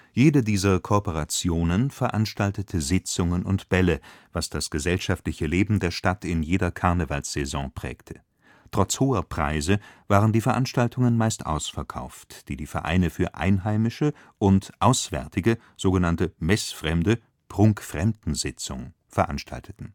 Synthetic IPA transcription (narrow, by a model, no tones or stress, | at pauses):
jeːdədiːzɐkʰoːpoʁat͡sjoːnənfɛɐʔanʃtaltətʰəzɪt͡sʊŋənʊ̰ntb̥ɛləvasd̥asɡ̥əzɛlʃaftlɪçəleːbm̩deːɐʃtatʰɪnjeːdɐkʰaɐnəvalsz̥ɛzɔ̰̃ːpʁ̥ɛ̰ːktʰə̥ | tʁ̥ɔt͡shoːɐpʁ̥a̰ɪzəvaːʁəndiːfɛɐʔanʃtaltʰʊŋənmaɪstʔa̰ʊsfɛɐkʰa̰ʊftd̥iːdiːfɛɐʔa̰ɪnəfyːɐʔa̰ɪnɦaɪmɪʃə | ʔʊntʔaʊsv̥ɛ̰ɐtʰɪɡə | z̥oːɡənantəmɛsfʁ̥ɛmdə | pʁ̥ʊŋkfʁ̥ɛmdn̩zɪt͡sʊ̰ŋ | fɛɐʔa̰nʃtʰa̰ltʰə̥tn̩